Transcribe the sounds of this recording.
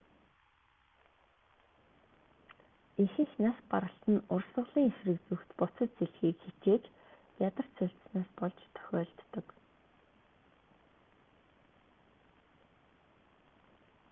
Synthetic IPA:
ixɘ̆ŋxnaspaɾə̆ɬt̪ɘ̆nʊrsə̆ɮiːŋexrɘ̆k̚t͡suxt̪pʊt͡sə̆t̪̚t͡seɮxiːkxit͡ɕeːt͡ɕ | pjat̪ə̆r̥t̪t͡sʊɬt̪̆snaːspɔɮt͡ɕt̪ʰœ̥xʲɔːɮt̪ːə̆k

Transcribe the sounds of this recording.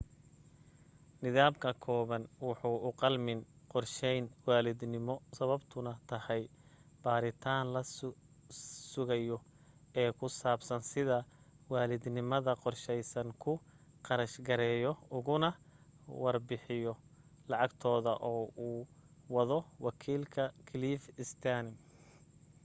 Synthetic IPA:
nɪðaːmkʰɐkʰɔːβɐnwɑħuːʔʊqɑlmɪnqɔrʃɛjnwaːlɪd̪nɪmɔsɐβɐbt̪ʰʊnɐt̪ʰɐhɛjb̥aːɾɪt̪ʰaːnlɐ | sʊɣɐjɔ | ɛːkʰʊsaːbsɐnsɪðɐ | waːlɪd̪nɪmɐðɐqɔrʃɛjsɐŋkʰʊqɑɾɐʃɡɐɾɛːjɔʊɣʊnɐwɑrbɪħɪjɔlɑʕɑɡt̪ʰɔːðɐʔɔːuːwɑðɔwɑkʰiːlkʰɐkʰɪliːfɪst̪ʰanɪm

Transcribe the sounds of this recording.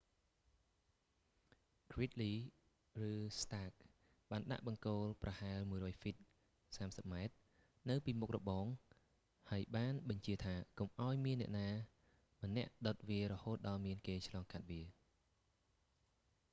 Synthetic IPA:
krit̪̚liː | rɨːst̪aːk̚ | ɓaːnɗa̰ʔɓɑŋkoːlprɑhaɛlmuəjɾɔːjfit̪̚ | saːmsəp̚maɛt̪̚ | nɨwpiːmuk̚rɔɓɑːŋ | haəjɓaːnɓɑɲt͡ɕiət̪ʰaːkomʔaɔjmiənːɛ̆əʔnaː | mə̆nːɛ̆əʔɗot̪̚ʋiəɾɔhoːt̪̚ɗɑlmiənkeːt͡ɕʰlɑːŋkat̪̚ʋiə

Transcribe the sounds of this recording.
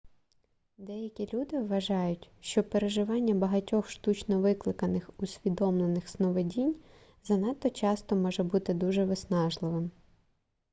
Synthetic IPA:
d̪ɛjɐkʲilʲud̪ɪʋːɐʒɑjʊtʲʃt͡ʃɔpeɾeʒɪʋɑnʲːɐbɐɦɐtʲɔxʃt̪ut͡ʃnɔʋɪklˠɪkɐnɪxusʲʋʲid̪ɔmlˠenɪxsnɔʋedʲinʲ | zɐnɑt̪ːɔt͡ʃɑst̪ɔmɔʒɛbut̪ɪd̪uʒɛʋɪsnɑʒlˠɪʋɪm

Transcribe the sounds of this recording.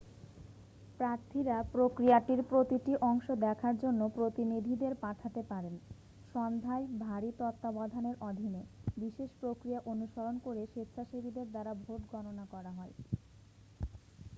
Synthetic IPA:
pɾaɾt̪ʰiɾapɾokɾijaʈiɾpɾot̪iʈiʔɔŋʃod̪ɛkʰaɾd͡ʑonːopɾot̪inid̪ʱid̪eɾpaʈʰat̪epaɾen | ʃɔnd̪ʱaebʱaɾit̪ɔt̪ːabad̪ʱaneɾʔɔd̪ʱinebiʃeʃpɾokɾijaʔonuʃɔɾonkoɾeʃet̪ʰːaʃebid̪eɾd̪aɾabʱoʈɡɔnonakɔɾaɦɔe

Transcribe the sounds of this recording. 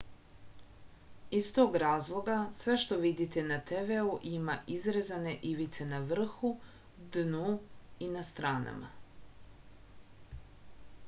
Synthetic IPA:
ist̪o̞ːɡɾaːzlˠo̞ɡasʋe̞ʃt̪o̞ʋid̪it̪e̞nat̪eʋeuʔimaʔizɾezane̞ʔiʋit̪se̞naʋr̩xu | d̪nuinast̪ɾaːna̰ma̰

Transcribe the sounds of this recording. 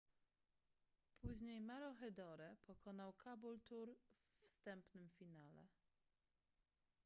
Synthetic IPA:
pʰuʑɲejmaɾɔxɛd̪ɔɾɛpɔkɔnawkʰabult̪uɾvst̪ɛmpnɘmfʲinalɛ̰

